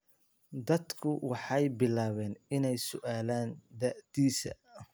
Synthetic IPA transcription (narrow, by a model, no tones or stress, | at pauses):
d̪ɐd̪kʰʊwɑħɑjbɪlaːβɛːnɪnɛjsʊʔaːlaːnd̪ɐʕd̪iːsɐ̰